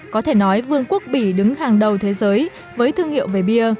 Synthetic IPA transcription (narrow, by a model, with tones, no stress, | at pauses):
kɔ˨˦t̪ʰe˧˩nɔ˨˦jvɨ˧əŋku˦˥ək̚ɓi˧˩ɗɨ˨˦ŋhaː˨˩ŋɗə˨˩wt̪ʰe˨˦zəː˨˦j | vəː˨˦jt̪ʰɨ˧əŋhḭ˧˨əwve˧˨˩ɓi˧ə